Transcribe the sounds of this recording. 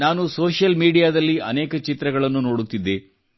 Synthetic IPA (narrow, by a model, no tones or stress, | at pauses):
naːnusoːʃjɐlmiːɽijaːd̪ɐlːiɐ̰neːkɐt͡ʃit̪ɾɐɡɐɭɐnːuno̞ːɽut̪ːid̪ːe